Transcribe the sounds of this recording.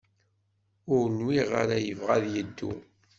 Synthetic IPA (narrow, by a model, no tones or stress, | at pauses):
ʊɾnwiʁa̰ɾajəvʁaðjəd̪ːṵ